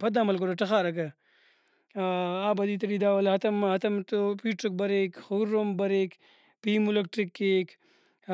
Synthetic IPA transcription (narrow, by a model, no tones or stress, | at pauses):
pɐd̪aːmɐlk̬oɾoʈɐxaːɾɐkɐ | aːbɐd̪iːt̪ɐɽiːd̪aːwɐlɦɐt̪ɐmɦɐt̪ɐmt̪opiːʈok̚bɐɾekxoɾːombɐɾeːk | piːmulɐk̚ʈɾikːek